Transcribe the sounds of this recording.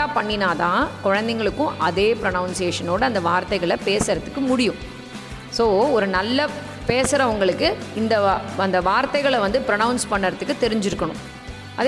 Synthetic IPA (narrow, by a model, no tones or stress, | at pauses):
aːpɐɳːɪnaːt̪ãːkɔɻɐnd̪ɛŋɡɐɭɯkːʊ̃ʔɐðeːpɪɾɐnɐʊnseːʂɐnoːɽɯɐnd̪ɐʋaːɾt̪ːɐɪɣɐɭɐpeːsɐɾɐt̪ːɯ̥kːɯmʊɽɪjʊ̃ | soːɔɾɯnɐlːɐ | peːsɐɾɐʋɐŋɡɐɭɯkːɯɪnd̪ɐɐnd̪ɐʋaːɾt̪ɐɪɣɐɭɐʋɐnd̪ɯpɪɾɐnɐʊnspɐɳːɐɾɐt̪ːɯkːɯt̪ːɛɾɪɲd͡ʒɪɾɯkːɐɳʊ̃ | ʔɐð